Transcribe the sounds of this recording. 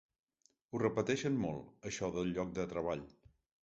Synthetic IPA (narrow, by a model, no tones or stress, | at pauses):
urəpət̪ɛʃənmolˠəʃɔðəlˠʎɔk̚d̪ət̪ɾəβ̞aʎ